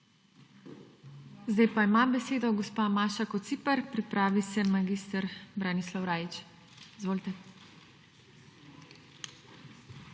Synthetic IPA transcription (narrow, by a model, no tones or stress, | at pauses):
zd̪ajpaimabɛseːd̪ɔɡɔspaːmaːʃakɔt̪siːpəɾpɾipɾaːʋisɛmaɡist̪əɾbɾanislawɾaːjit͡ʃ | izʋoːlt̪ɛ